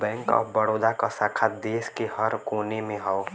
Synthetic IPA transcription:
bɛ̃ːŋkɔ̰ːbəɽoːd̪akasakʰad̪eːskehəɾkoːnemẽɦɔo

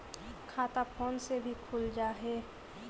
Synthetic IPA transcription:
kʰaːt̪apʰoːnsebʱikʰʊld͡ʒaːɦɛː

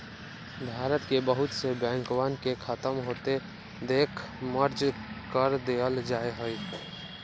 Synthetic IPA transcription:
bʱaɾət̪kebəɦut̪sebjãŋkwankekʰət̪əmɦot̪e | d̪ekʰ | məɾd͡ʒkəɾd̪eəld͡ʒaeɦoj

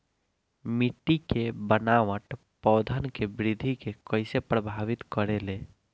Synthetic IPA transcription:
miʈːikebənaʋəʈ | pɔːd̪ʱənkebɾid̪ʱikekəɪsepɾəbʱaʋit̪kəɾele

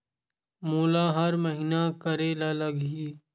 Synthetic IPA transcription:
moːlaːɦɐɾməɦinakɐɾelaːlɐɡɦiː

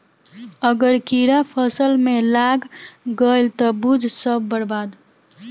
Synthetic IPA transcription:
əɡəɾkiɾapʰəsəlmelaɡɡəjlt̪ɔbud͡ʒʱsəbːəɽbad̪

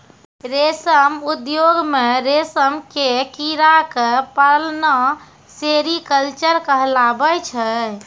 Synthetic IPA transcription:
ɾesəmud̪joɡmeɾesəmkekiɾakepəlnə | seɾikəlt͡ʃəɾkəɦlabət͡ʃʰɛ

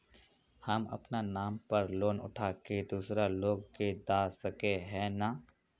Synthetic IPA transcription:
hɐmɐ̰pnanaːmpɐɾloːnʊ̰ʈʰaːked̪uːsɾaloːɡked̪aːsɐkeɦɛ̃ːna

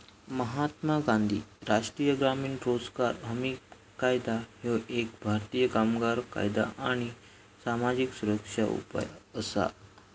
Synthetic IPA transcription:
məɦat̪maɡãnd̪ʱḭːɾaʂʈɾijəɡɾamiːɳɾod͡zkaɾɦəmi | kːajd̪ahoʔek̚bʱaɾt̪iːjəkamɡaɾka̰jd̪a̰ʔaɽ̃i | samad͡ʑiksuɾəkʂa̰ṵpa̰jəsa̰

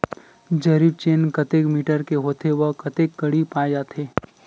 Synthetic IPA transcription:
d͡ʒɐɾib̚t͡ʃeːnkɐt̪eːkmiːʈəɾkeɦoːt̪ʰewəkɐt̪eːkːɐɽipaːd͡ʒaːt̪ʰeː

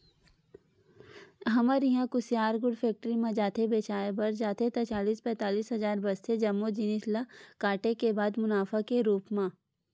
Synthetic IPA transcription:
ɦɐməɾiɦãkʊsjaːɾɡʊɖfʰɛːk̚ʈəɾimẽd͡ʒaːt̪ʰebeːt͡ʃaːebɐɾd͡ʒaːt̪ʰet̪ɐt͡ʃaːliːspɛ̃ːt̪aːliːsɦɐzaːɾbɐst̪ʰed͡ʒɐmːod͡ʒɪnɪsləkaːʈekebaːd̪mʊnaːfʰakeɾuːpmã

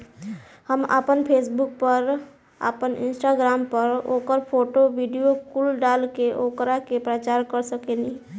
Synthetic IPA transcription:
həmə̰pənpʰesbuk̚pəɾ | ə̰pənʔḭnsʈaɡɾampəɾokəɾpʰoʈobiɖijokulɖalkeʔokɾakepɾət͡ʃaɾkəɾsəkeni

